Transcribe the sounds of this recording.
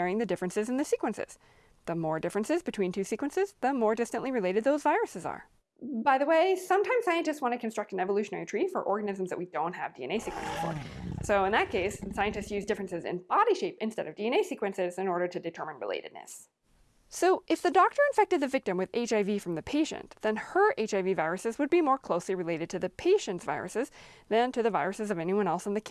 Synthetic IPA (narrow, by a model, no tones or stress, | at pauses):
ɛɹɪ̃ŋðɨdɪfɹɨ̃nsɨzn̩ðɨsikwɨ̃nsɪ̰z̥ | ðəmɔɹdɪfɹɨ̃nsɨzbɨtʰw̥ĩntʰʉsikwɨ̃nsɪzðəmɔɹdɪstɨ̃nʔliɹɨleɪɾɨd̪̚ðoʊzvaɪɹɨsɨzə̰˞ | baɪðəweɪsʌ̃mtʰãɪ̃mzsaɪɨ̃ntɨstswɑ̃ñtɨkʰɨ̃n̩stɹ̥ʌk̚tn̩ɛvəlʉʃɨnɛɹitʰɹ̥ifə̰˞ʔɔɹɡɨnɪz̃mzðɨ̰ʔ̚widõʊ̃nt̚hɨ̰vdiɛ̰neɪsikwɨ̰̃nsɨ̰z̥fə̰ɹsoʊɨ̃nðɨt̚kʰeɪssaɪɨ̃ntɨstsjʉzdɪfɹɨ̃nsɨzɨ̰̃nb̥ɑɾiʃeɪpɨ̃nstɛ̰ɾʌvdiɨ̃ñeɪsikwɨ̃nsɪzɨ̃nɔɹɾə˞ɾɨdɨtʰɜ˞mɨ̃nɹɪ̰lḛɪɾɨ̰dⁿnɨ̰s | soʊʔɨfðɨdɔk̚tə˞ɨ̃ɱfɛk̚tɨd̪̚ðɨvɪk̚tɨ̃mwɨðeɪt͡ʃaɪvifɹʌ̃mðɨpʰeɪʃɨ̰̃nðɨ̃nə˞ʔeɪt͡ʃaɪvivaɪɹɨsɨzwɨd̚bimɔɹkʰl̥oʊsliɹɨleɪɾɨd̚tʰɨðɨpʰeɪʃɨ̃ntsv̥a̰ɪɹɨ̰sɨzðɨ̃ntʰɨðɨvaɪɹɨsɨzʌvɛniwʌ̃ɾnɛlˠsn̩ðɨkʰ